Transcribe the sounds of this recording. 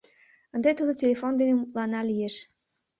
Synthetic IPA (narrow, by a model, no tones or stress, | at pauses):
ənd̪et̪ud̪otʲelʲefond̪enemulɑnɑlijeʃ